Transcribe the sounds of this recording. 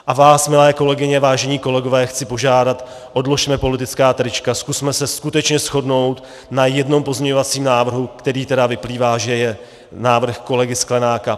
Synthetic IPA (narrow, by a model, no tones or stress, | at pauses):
ʔavaːsmɪlɛːko̞lɛɡɪɲɛvaːʒɛɲiːko̞lɛɡo̞vɛːxt͡sɪpo̞ʒaːdat̪ | ʔo̞dlo̞ʃmɛpo̞lɪt̪ɪt͡skaːt̪ɾɪt͡ʃkaskusmɛsɛskut̪ɛt͡ʃɲɛsxo̞dno̞wt̪ | najɛdno̞mpo̞zmɲɛɲo̞vat͡siːmnaːvr̩ɦukt̪ɛɾiːt̪ɛdavɪpliːvaːʒɛjɛ | naːvr̩xko̞lɛɡɪsklɛnaːka